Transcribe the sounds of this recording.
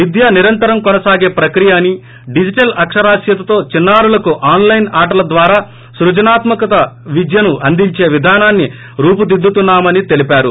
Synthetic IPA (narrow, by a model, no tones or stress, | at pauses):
ʋid̪ʱjaːniɾɐnt̪ɐɾɐmkɔnɐsaːɡe̞ːpɾɐkɾijaːnːi | ɖid͡ʒiʈɐlɐkʂɐɾaːsjɐt̪ɐt̪o̞ːt͡ʃinːaːɾulɐkuʔaːnlɐjnaːʈɐlɐd̪ʋaːɾaː | sɾud͡ʒɐnaːt̪mɐkɐt̪ɐʋid͡ʒ̪jɐnuʔɐnd̪iɲt͡ʃe̞ːʋid̪ʱaːnaːnːi | ɾuːpud̪id̪ːut̪unːaːmɐnit̪e̞lipaːɾu